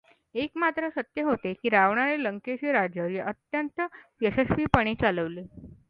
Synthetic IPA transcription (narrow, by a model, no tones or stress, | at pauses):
ekmat̪ɾəsət̪jəɦot̪ekiːɾaʋɳaɾeləŋkeɕiɾad͡ʑjəʋɾiʔət̪jənt̪əjəɕəsʋiːpəɽ̃iːt͡saləʋle